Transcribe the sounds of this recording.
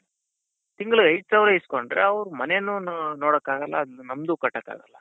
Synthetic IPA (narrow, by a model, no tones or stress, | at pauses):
t̪iŋɡɐɭuɐjʈsɐʋɾeiskoɳɖɾḛɐʋɾumɐne̞nːunoːɽɐkːaːɡɐlːɐ̰ːd̪ɐnːunɐmd̪uːkɐʈːɐkːa̰ːɡɐlːɐ